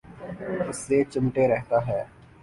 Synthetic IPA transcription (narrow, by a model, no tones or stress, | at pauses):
ʊsːet͡ʃɪmʈeɾɛɦt̪aɦɛː